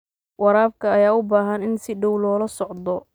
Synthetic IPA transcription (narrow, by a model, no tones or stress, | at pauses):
wɑɾaːbkʰɐːjaːʊbaːɦɐnɪnsɪɖɔwlɔːlɐsɔʕd̪ɔ